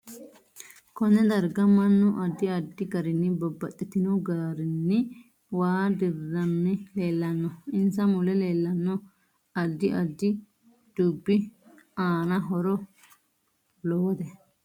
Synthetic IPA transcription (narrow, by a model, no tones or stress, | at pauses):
kɔnɛd̪ɐɾɡɐmɐnːʊʔɐd̪ːɪɐd̪ːɪɡɐɾɪnːɪbɔbːɐt̪ʼːɪt̪ɪnɔɡaːɾɪnːɪ | waːd̪ɪrːɐnːɪle̞ːlːɐnːɔɪnsɐmʊlɛle̞ːlːɐnːɔ | ɐd̪ːɪʔɐd̪ːɪ | d̪̥uːbːɪaːnɐɦɔɾɔ | lɔwɔd̪ɛ